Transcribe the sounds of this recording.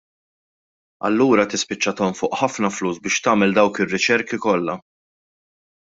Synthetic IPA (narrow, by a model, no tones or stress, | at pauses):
ɐ̰lːuːɾɐt̪ɪspɪt͡ʃːɐt̪ɔmfʊːʔħɐfnɐfluːsbɪːʃt̪ɐːmɛld̪ɐwkɪrːɪt͡ʃɛɾkikɔlːɐ